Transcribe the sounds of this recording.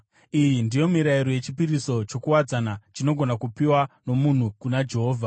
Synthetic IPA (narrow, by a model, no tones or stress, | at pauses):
ijindijo̞miɾaiɾoje̞t͡ʃipiɾiso̞t͡ʃo̞kuwad͡zanat͡ʃino̞ɡʱo̞nakupiwano̞mun̤ukunad͡ʒe̞ɦoːvʱa